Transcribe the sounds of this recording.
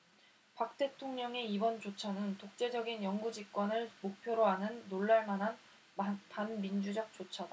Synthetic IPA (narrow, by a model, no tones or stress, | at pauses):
pak̚t͈e̞tʰoŋɲʌŋe̞ibʌnt͡ɕot͡ɕʰʌnɯntok̚t͡ɕ͈e̞d͡ʑʌɡinjʌŋɡud͡ʑik̚k͈wʌnɯɭmok̚pʰjoɾoɦanɯnːoɭːaɭmanɦan | panmind͡ʑud͡ʑʌk̚t͡ɕ͈ot͡ɕʰʌda